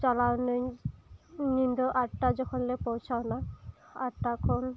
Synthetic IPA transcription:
t͡ʃalawn | nindɔʔatazɔkʰɔnlɛpowsawnaatakʰɔn

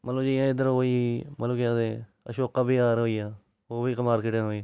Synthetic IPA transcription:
mʔət̪ləbd͡ʒijãːɪd̪əɾɦoːiːmət̪ləbkãd̪eː | ə̰ʃoːkaːbiːaːɾɦoːiːaː | oːbiːkəmaːɾkɪːʈẽɦoːi

